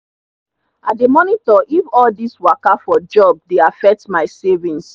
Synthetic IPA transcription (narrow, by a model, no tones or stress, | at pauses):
ademɔnitɔʔifɔldiswakafɔd͡ʒɔb̚deafɛk̚tmaɪsɛvĩns